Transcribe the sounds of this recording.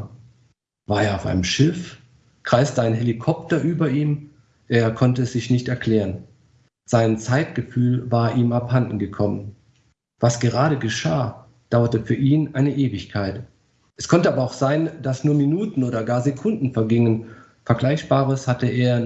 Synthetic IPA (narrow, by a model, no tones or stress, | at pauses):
vaːɐeːɐaʊfa̰ɪnəmʃɪf | kʁ̥aɪstəaɪnɦelikʰɔptɐʔyːbɐʔiːm | ʔeːɐkʰɔntəɛsz̥ɪçnɪçtɛɐkl̥ɛːʁən | z̥aɪnt͡saɪtɡ̥əfyːlvaːɐʔiːmaphandn̩ɡəkʰɔmən | vasɡ̥əʁaːɾəɡəʃaː | d̥aʊɐtəfyːɐʔiːnʔaɪnəʔeːvɪçkʰaɪt | ʔɛskʰɔntəaːbɐaʊxz̥aɪnd̥asnuːɐminuːtn̩oːdɐɡaːɐzekʰʊndn̩fɛɐɡɪŋən | fɛɐɡlaɪçb̥aːʁ̞əshatəʔeːɐ